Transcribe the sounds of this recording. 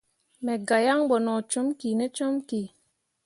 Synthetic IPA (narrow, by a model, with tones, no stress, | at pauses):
me˨ɡa˨ja˦ŋbɔ˨nɔ˨t͡ʃo˦mki˨ne˦t͡ʃɔ˦mki˨